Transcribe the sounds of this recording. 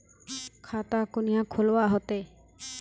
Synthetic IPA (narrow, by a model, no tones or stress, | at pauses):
kʰat̪akunijakʰolwaɦɔt̪e